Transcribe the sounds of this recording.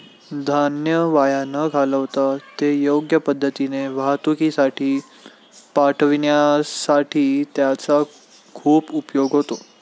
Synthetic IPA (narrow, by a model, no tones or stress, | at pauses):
d̪ʱanjəʋajanəkʰaləʋt̪at̪ejoɡjəpəd̪ʱːət̪ineʋaɦt̪ukisaʈʰiː | paʈʰəʋiɳjasaʈʰiːt̪jat͡sa | kʰuːpupjoɡɦot̪o